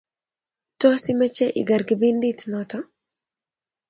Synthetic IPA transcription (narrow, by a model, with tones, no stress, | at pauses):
tɔ˦si˦mə˦t͡ʃɛ˦ʔɪ̰˨ɡa˨ɾɡi˨bi˦nditnɔtɔ˦